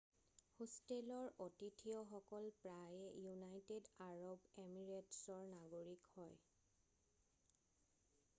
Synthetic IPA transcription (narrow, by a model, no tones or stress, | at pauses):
hostelɔɹotitʰijɔxɔkɔlpɹajɛjunajtedaɹɔbemiɹetsɔɹnaɡoɹikhɔj